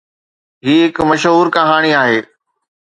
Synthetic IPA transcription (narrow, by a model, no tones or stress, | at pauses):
ɦiːɦɪkmɐʃɦuːɾkɐɦaːɽ̃iaːɦeː